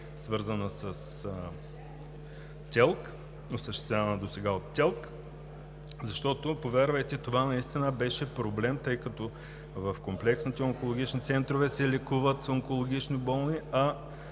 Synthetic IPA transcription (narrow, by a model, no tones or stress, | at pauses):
svɤɾzənəsəs | t̪ʲɛlˠk | osəʃt̪ɛ̥st̪ʲjʲavɐnəd̪osɛɡaot̪ːʲɛlˠk | zɐʃt̪ɔt̪opovɛɾvɐjt̪ɛt̪ovanɐist̪inəbɛʃɛpɾoblɛmt̪ɤjkɐt̪ɔ | vɐfkomplɛksnit̪ɛoŋkolˠoɡ̟ʲit͡ʃnit̪sɛnt̪ɾovɛsɛlɛkuvət̪oŋkolˠoɡ̟ʲit͡ʃnibɔlˠniɐ